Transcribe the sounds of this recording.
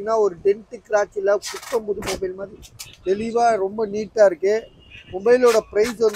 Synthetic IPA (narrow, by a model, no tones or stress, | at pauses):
ɪnːaːɔɾɯɖɛɳʈɯkːɾaːt͡ʃːɪlɐkʊʈːɐmbʊðɯmobɐɪlmaːðɾid̪ɛlɪʋaːɾɔmbɐniːʈːaːɪɾɯkːɯ | mɔbɐɪloːɽɐpɪɾɐɪsʋɐn